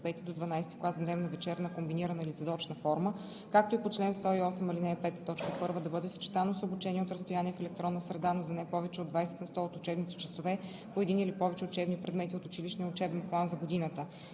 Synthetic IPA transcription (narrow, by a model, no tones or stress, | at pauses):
pɛt̪id̪od̪vɐnajst̪i̥klˠaszbd̪ɛvnəvɛt͡ʃɛɾnəkombiniɾənəilizɐd̪ɔt͡ʃnəfɔɾmə | kak̚t̪oipot͡ʃlɛnst̪ɔiɔsɛmilinɛpɛt̪t̪ɔt͡ʃkəpɤɾvəd̪ɐbɤd̪ɛsə̥t͡ʃɛ̥t̪anosobʊt͡ʃɛniɛot̪ɾɐst̪ojaniɛfɛlɛk̚t̪ɾɔnːəsɾɛd̪anozɐnɛpɔvɛt͡ʃɛod̪vajsɛ̥t̪nɐst̪ɔot̪ʊt͡ʃɛbnit̪ɛ̥t͡ʃɐsovɛ | poɛd̪inilipɔvɛt͡ʃɛʊt͡ʃɛbnipɾɛd̪mɛt̪iot̪ʊt͡ʃiliʃnijəʊt͡ʃɛbɛnplˠanzɐɡod̪inət̪ə